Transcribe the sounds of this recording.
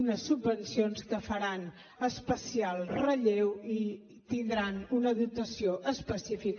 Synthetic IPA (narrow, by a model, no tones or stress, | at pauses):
nəsːubːənsionskəfəɾan | əspəsialˠrəʎewi | t̪ind̪ɾanunəðut̪əsioʔəspəsifik